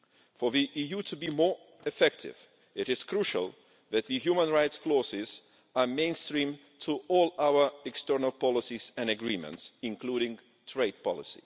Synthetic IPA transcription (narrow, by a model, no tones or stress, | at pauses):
fə˞ðiʔijutʰɨbimɔɹ | ɨfɛk̚tʰɪ̰v | ɪɾɪz̥kʰɹuʃə̰lˠ | ðɨt̪̚ðɨhjumə̃nɹaɪtskʰlɔsɪz | ə˞mẽɪ̃nstɹĩm | tʰuʔɔlˠawə˞ɛkstɜ˞nəlˠpɑlˠɪsizɨ̃nɨɡɹĩmə̰̃ntsɨ̃nkʰluɾɪ̃ŋ | tʰɹ̥eɪd̚pʰɑ̰lˠɪ̰sḭ